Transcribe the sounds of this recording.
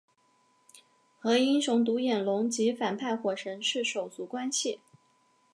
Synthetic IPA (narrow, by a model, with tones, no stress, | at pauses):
xɤ˧˥i˥nʂʊ˧˥ŋt̪̬u˧˥jɛ˨˩nlʊ˧˥ŋt͡ɕi˧˥fa˨˩npʰa˥˧ɪxwɔ˨˩ʂə˧˥ŋʂɻ̩˥˩ʂo˨˩ʊt͡su˧˥kwa˥nɕi˨˩